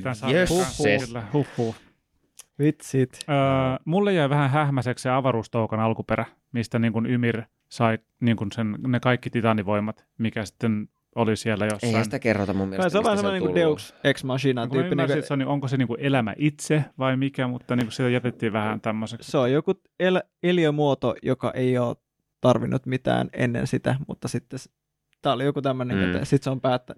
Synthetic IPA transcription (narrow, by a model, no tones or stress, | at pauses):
t̪ænsɑːuylːæhupːuː | ʋit̪sit̪əːmulːejjæiʋæhæɦæhmæseksseɑʋɑɾuːst̪oukɑnɑlkupeɾæ | mist̪æniːŋkunymir | sɑi | niːŋkunsennekɑikːit̪it̪ɑnːiʋoimːˑɑt̪ | mikæsi̥t̪ːen | olisielːæjoseːihɑænsnt̪ækerːo̰t̪ɑmumːḭlsoʋɑːnsemoniudeukseksmɑsinɑkuːiniŋkiseoniʔoŋkoseniːŋkuʔelæmæ̰ʔit̪seʋɑimikæmut̪ːɑniːŋkusit̪æjæt̪et̪ːiːʋæhænt̪æmːoseksseojoku | elæ | eliømuot̪ojokɑ̰ʔeioːt̪ | t̪ɑrʋinʔut̪mit̪æ̰ːnḛnːḛnsit̪æ̰mṵt̪ːɑsit̪ːes | t̪æːolijokut̪æmːøneŋkø̰ːsit̪seompæːt̪ːæn